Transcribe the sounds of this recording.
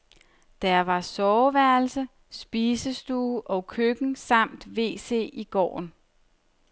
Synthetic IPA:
d̥æɐʋɑ̈sɒʊʋæɐl̩sə | sb̥iːsəsd̥uːʔɒ̽kʰøɡ̥n̩sɑ̈m̰d̥ʋe̝̰ːse̝̰ːiɡ̥ɒ̰ːn

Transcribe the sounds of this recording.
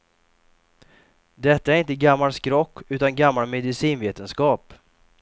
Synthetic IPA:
d̪ɛt̪ːaæɾɪnt̪əɡamːalskɾɔkːʉ̟ːt̪anɡamːalmɛd̪ɪsiːnveːt̪ənskɑːp

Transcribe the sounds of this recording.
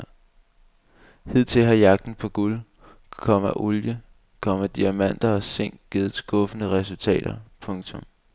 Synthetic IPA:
he̝ð̰ˠt͡sʰe̝lɦɑ̈jɑ̈ɡ̥̚d̥n̩pʰɒ̽ɡ̥ul | kʰɒ̽m̰æʔoljə | kʰɒ̽m̰æd̥iæmæn̰d̥ɐɒ̽se̝ŋ̰ɡ̥ɡ̥eðˠsɡ̥ɔ̽fənəʁɛs̬ult͡sʰɛ̰ːd̥ɐpʰɔ̽ŋt͡sʰɔ̽m

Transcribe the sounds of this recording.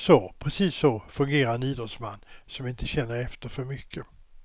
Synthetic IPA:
sɔpʰɾɛsiːsːɔfɵŋɡeːɾaɾɛniːd̪ɾɔt̪sma̰nːsɔmɪnt̪ʰəɕɛnːəɾɛft̪əɾfœɾmʏkʰːə

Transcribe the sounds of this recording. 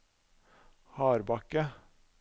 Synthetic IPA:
hɑːɾbɑkə

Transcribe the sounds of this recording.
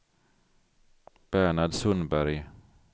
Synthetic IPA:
b̥æɳaɖ̪sɵnbæɾj

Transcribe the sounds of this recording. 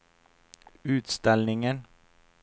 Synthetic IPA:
ʉːt̪st̪ɛlnɪŋən

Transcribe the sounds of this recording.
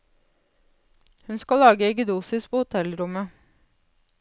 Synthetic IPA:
hʉnskɑlɑːɡəɛɡd̪uːsɪspʰoːhʊt̪ʰɛlɾʊmə

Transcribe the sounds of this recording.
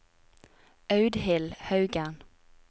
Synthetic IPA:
ɑʉd̪hɪlhɑʉɡən

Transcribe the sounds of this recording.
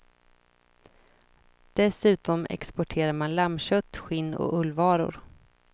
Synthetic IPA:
d̪̥ɛsʉ̟ːt̪ɔmɛ̰kspɔʈʰeːɾaɾmanlamɕœt̪ːɧɪnːɔ̰ɵlːvɑːɾʊ̰ɾ

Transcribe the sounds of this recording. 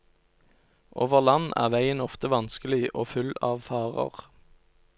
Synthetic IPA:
ʔoːʋəʁlɑnʔæ̰ːʁʋæɪənɔft̪əʋɑnskəlɪʔoːfʉlɑːʋfɑːʁə̰ʁ

